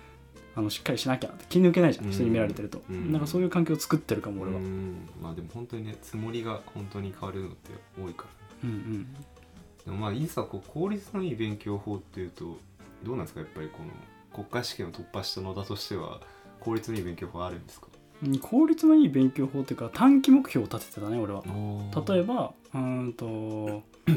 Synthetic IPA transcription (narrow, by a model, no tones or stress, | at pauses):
ano̞ɕi̥kːaɾʲiɕinakʲa̰t̪ːekʲiɲʲiniɯ̟k̬e̞naiʑãç̥it̪eɲ̟imeɾaɾe̞t̪eɾɯ̟t̪o̞̰ɯ̃nãŋkasoːjɯ̟ːkãŋk̬ʲeːt͡sɨ̥kɯ̟t̪ːeɾɯ̟kamoːɾe̞βama̰ːd̪e̞mohõ̞nt̪o̞ɲ̟ine̞t͡sɨmo̞ɾʲiɡahõ̞nt̪o̞ɲ̟ikʰaβaɾɯɾɯno̞̰t̪ʰːe̞̰ | oːikaɾneɯ̃ɴɯ̟̃ɴ | d̪̥e̞momaːiːskakokʰo̞ːɾʲit͡sɨno̞iːbẽ̞ŋkʲo̞ːho̞ːt̪ːe̞jɯ̟ːt̪o | d̪o̞ːnãnd̪skajapːaɾʲiko̞no̰ | ko̞kːaiɕi̥kʲẽot̪o̞pːaɕi̥t̪ano̞d̪at̪o̞ɕi̥t̪e̞βa̰ | ko̞ːɾʲit͡sɨno̞iːbẽ̞ŋkʲo̞ːhoːaɾɯ̟̃nd̪e̞sɨ̥kḁ | kʰo̞ːɾʲit͡sɨno̞iːbẽ̞ŋkʲo̞ːɦoːt̪ːejɯ̟kat̪ʰãŋkʲimo̞kɯ̟̥çʲoːt̪at̪e̥t̪et̪aneo̞ɾe̞β̞aoːt̪at̪o̞e̞ba | ɯ̟̃t̪o̞